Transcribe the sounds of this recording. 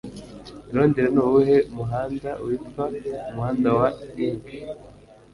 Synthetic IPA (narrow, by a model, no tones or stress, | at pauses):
ɾoːndiɾenowuɦeumuɦaːndaṵiffaumuhaːndawaipi̥